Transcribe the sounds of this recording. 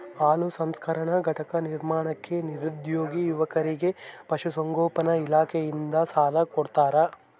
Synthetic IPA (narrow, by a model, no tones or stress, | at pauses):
aːlusɐmskʰɐɾɐɳɐɡʱɐʈɐkɐniɾmaːɳɐkːe̞niɾud̪joːɡijuʋɐkɐɾiɡe̞pɐʃusɐŋɡoːpɐnɐilaːkʰejind̪ɐsaːlɐkoɽt̪aːɾɐ